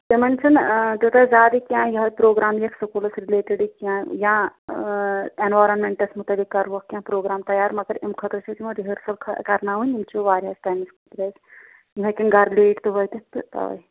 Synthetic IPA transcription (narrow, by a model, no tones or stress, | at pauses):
t̪imɐnt͡ʃʰɐnt̪ut̪ɐzaːd̪ikʲjãːjɐɦɐpɾoːɡɾaːmjɐksɐkolɐsɾileːʈiɖikjãːjã | enʋaːjɾonmeɳʈɐsmut̪ɐlikːɐɾʋokːjãːpɾoːɡɾaːmt̪ɐjaːɾmɐɡɐɾimkʰɐt̪ɾɐt͡ʃʰɐt̪imɐɾiɦəɾsɐlkʰkɐɾnaːʋunʲimt͡ʃʰoʋaːɾʲɦaːstaːjmiskʰɐt̪ɾɐs | mɦɐkʲinɡɐɾleːʈt̪ɨʋɐjt̪ɨt̪ɨt̪ɐ̰ʋɐ̰j